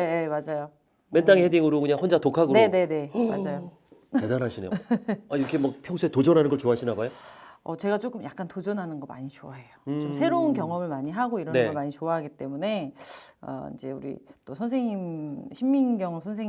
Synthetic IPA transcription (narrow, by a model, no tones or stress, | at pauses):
nejemad͡ʑajo | ment͈aŋhediŋɯɾokɯɲaŋhond͡ʑatokʰaɡɯɾneone̞ne̞ma̰d͡ʑajo | tedanɦaɕʰinḛaiɾʌkʰemʌk̚pʰjʌŋsʰuetod͡ʑʌnɦanɯnɡʌt͡ɕoaɕʰinabajoʌ̰t͡ɕe̞ɡat͡ɕ͈ok͈ɯmjak̚k͈antod͡ʑʌnɦanɯnɡʌma̰ɲit͡ɕoaɦe̞jot͡ɕomsʰe̞ɾounk̬ʲjʌŋʌmɯɭmaɲiɦaɡoiɾʌneɡɡʌmaɲit͡ɕoaɦaɡit͈e̞mune̞ʌ̰ḭnd͡ʑe̞̰ṵɾḭt͈osʰʌns̬ʰe̞ŋimɕʰimːinɡjʌŋsʰʌns̬ʰe